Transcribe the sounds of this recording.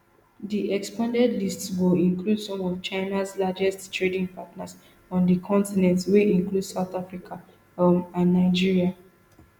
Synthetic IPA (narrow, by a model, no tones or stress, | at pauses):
diʔɛkspãndɛdlistswilĩŋkludsɔ̃mɔvt͡ʃaɪnaslad͡ʒɛsttɹedĩŋpatnas | ɔ̃ndəkʰɔ̃ntinɛ̃ntsweʔĩŋkludsaʊtafɹikʰa | mãnːaɪd͡ʒiɹia